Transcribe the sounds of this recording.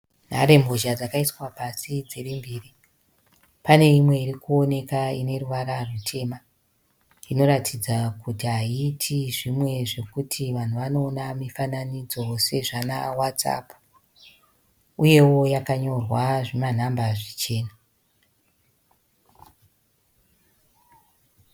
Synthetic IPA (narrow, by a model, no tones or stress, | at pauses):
n̤a̰ɾe̞mbo̞ʒad͡zakaiswapasid͡zerimbiːri | pane̞imwe̞iɾikuo̞ne̞kaine̞ruʋaɾarutʰe̞ːma | ino̞ɾatʰid͡zakutiɦaitʰiʐimwe̞ʐe̞kutʰiʋan̤uʋano̞ːnamifananid͡zo̞se̞ʐanawat͡sa̰pu | uje̞wo̞jakaɲo̞rwaʐiman̤ambaʐit͡ʃe̞ːna